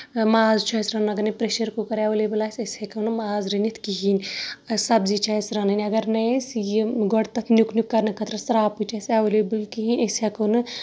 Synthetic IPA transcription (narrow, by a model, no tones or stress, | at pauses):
maːzt͡ʃʰasɾɐnɐɡɐɾnɐpɾeʃɐɾkokɐɾawleblasesʲekɐwnɨmaːzɾinit̪ʰkiɦinʲsɐbzit͡ʃʰasɾɐnɨnʲɐɡɐɾnɐsjiɡɔɽt̪ɐt̪ʰnjuknukːɐɾnɨkʰɐt̪ɾɐsɾaːput͡ʃʰaːsawulebɨlkiɦinʲʔesakɐnɨ